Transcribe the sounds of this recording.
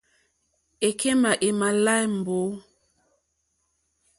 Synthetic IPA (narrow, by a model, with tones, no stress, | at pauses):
e˨ke˦ma˨ʔe˨ma˨la˦jm˨bo˨˦